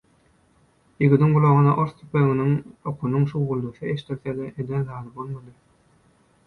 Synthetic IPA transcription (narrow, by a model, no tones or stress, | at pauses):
jiɡɯd̪iŋɡulˠoʁunɑ̰ʔoɾθt̪ʰypeɣinyŋoqʰunuŋʃuwʁulˠd̪uθɯeʃt̪iɾθed̪eʔed̪enðɑːd̪ɯbo̞lˠmɑd̪ɯ